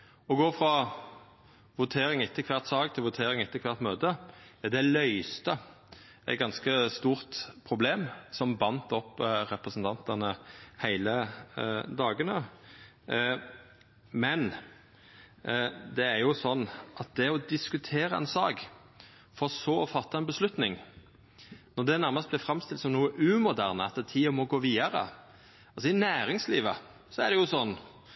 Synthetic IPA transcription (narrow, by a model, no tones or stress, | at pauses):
ɔɡoːfɾɑ | ʋʊt̪ʰeːɾɪŋɪt̪ːɪkʰʋæʁt̪sɑːɡt̪ʰɪlʋʊt̪ʰeːɾɪŋɪt̪ːɪkʰʋæʁt̪møːt̪əd̪ɛlœʏst̪ə | æɪt̪̚ɡɑnskəst̪uːʁt̪pʰɾʊbleːmsɔmbɑnt̪ɔpːɾɛpɾəsən̩t̪ʰɑnt̪ənəhæɪlə | d̪ɑːɡənə | mɛn | d̪ɛːɾjʊsɔnːʔɑt̪̚d̪ɛɔd̪ɪskʉt̪ʰeːɾəɛ̰nsɑːɡ | fɔɾɔsoːɔfɑt̪ːɑɛnbəslʉt̪nɪŋ | nɔd̪ɛnæɾmɑst̪̚blɛfɾɑmst̪ɪlt̪sɔmnuːəʔʉmʊd̪æːʁnəɑt̪d̪ɛt̪ʰiːɔmɔɡoːʋiːɑɾə̰ | ɑlsɔɪnæːɾɪŋsliːʋə | sɔæɾɖ̪ɛjʊsɔnː